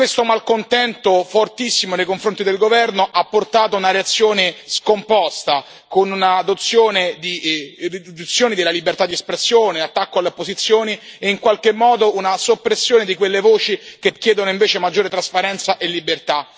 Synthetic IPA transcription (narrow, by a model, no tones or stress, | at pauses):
kwest̪omalkont̪ɛnt̪ofort̪isːimonejkoɱfɾont̪id̪elɡovɛrnoʔapːort̪aːt̪ounaɾeat̪sːjoːneskompɔst̪a | konunad̪ot̪sːjoːned̪irid̪id̪ut̪sːjoːnid̪elalibert̪ad̪ːiespɾesːjoːneat̪ːakːoalːeopːozit̪sːjoːnieiŋkwalk̟emːɔːd̪ounasopːɾesːjoːned̪ikwelːevoːt͡ʃik̟ekːjɛːd̪onoiɱveːt͡ʃemad͡ʒːoːɾet̪ɾaspaɾɛnt̪saʔelːibert̪a